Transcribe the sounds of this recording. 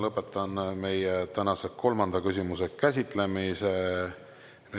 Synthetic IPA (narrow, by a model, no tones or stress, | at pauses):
lɤpːˑe̞t̪ːˑɑnme̞jet̪ænɑseko̞lmɑnd̪̥ɑkysʲimuse̞kæs̬ʲit̪ˑle̞mise | m